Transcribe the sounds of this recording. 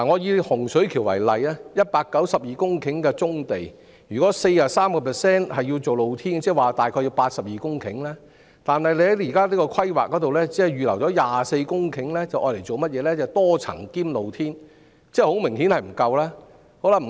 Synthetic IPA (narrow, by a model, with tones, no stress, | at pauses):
a˨˩ŋɔː˨˧jiː˧hʊ˨˩ŋsɵ˨˥ɥkʰiː˨˩wɐ̰˨˩jlɐ˨jaː˥jɐ˥t̚paː˧kːɐ˨˥wsɐ˨p̚jiː˨kʊ˥ŋkʰɪ˨˥ŋkɛː˧t͡sʊ˥ŋt̪e˨j | jyː˨˩kɔː˨˥se˧jjaː˨saː˥mkɔː˧pʰɛː˨˩sɛː˥nhɐ˨jːi˧wt͡so˨wlo˨˧wt̪ʰiː˥nt͡sɛː˥˩waː˨t̪aː˨jkʰɔː˧ji˧wpaː˧t̚sɐ˨p̚jiː˨˩kʊ˥ŋkʰɪ˨˥ŋlaː˥ | t̪aː˨nɦɐ˨jle˧jhjiː˨˩kaː˥liː˥kɔ˧kʰɐ˥jwa̰ː˨˩kːɔː˨˥t̪o˨wlɛː˥t͡sɛː˥˨ɥyː˨lɐ˨˩wt͡ʃɔː˨˥jaː˨se˧jkʊ˥ŋkʰɪ˨˥ŋlɛː˥t͡sɐ˨wʔɔː˧jle˨˩jt͡so˨wmɐ˥t̚jɛː˨˧lɛː˥t͡sɛ˨t̪ɔː˥t͡sʰɐ̰˨˩ŋkiː˥mlo˨˧wt̪ʰiː˥n | t͡sɛː˥ho˨˥wmɪ˨˩ŋɦiː˨˥nhɐ˨jm̩˨˩kɐ˧wlaː˥ | ho˨˥wlɐ˨m̩˨˩˨